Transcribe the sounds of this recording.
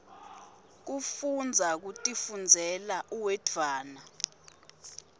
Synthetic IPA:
k̬ufund͡zʱak̬utʼifund͡zʱɛlaʔuwɛdʰwaːna

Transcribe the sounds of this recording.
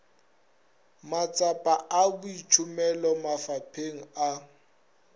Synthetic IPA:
mat͡sʼapʼaʔabʊit͡ʃʰʊmɛlɔmafapʰeŋ̩a

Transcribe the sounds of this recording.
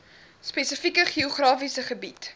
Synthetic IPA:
spesəfikəχioχrɑːfisəχəbit

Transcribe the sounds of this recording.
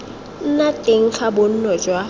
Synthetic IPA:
n̩natʼeŋ̩t͡ɬʰabon̩nɔd͡ʒwa

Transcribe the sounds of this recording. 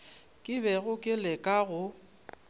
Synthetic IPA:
kʼɪbɛɣʊkʼɪlɛkʼaɣʊ

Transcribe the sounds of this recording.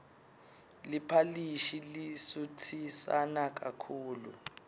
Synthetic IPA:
lipʰaliʃilisutʰisanak̬ʼakʰuːlṵ

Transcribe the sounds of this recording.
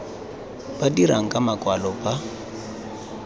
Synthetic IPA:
badiɾaŋ̩kʼamakʼwalɔpʼa

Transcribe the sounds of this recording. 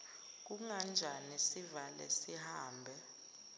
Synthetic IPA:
k̬uŋand͡ʒʱanisivalɛ̰sihaːmbʱɛ

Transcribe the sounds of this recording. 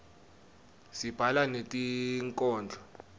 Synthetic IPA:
sib̥ʱalanetʼiŋkʼɔːnd͡ɮʱɔ

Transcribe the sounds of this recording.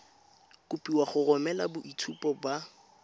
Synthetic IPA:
kʊpʼiwaχʊrɔmɛlabʊʔitʰupʼɔba

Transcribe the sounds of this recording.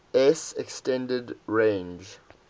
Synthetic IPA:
ɛsɛkstɛ̃ndɛdɹẽnd͡ʒ

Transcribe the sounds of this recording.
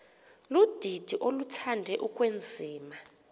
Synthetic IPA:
lud̥ʱid̥ʱiʔolutʰandʱɛʔukʼwend͡zʱiːma

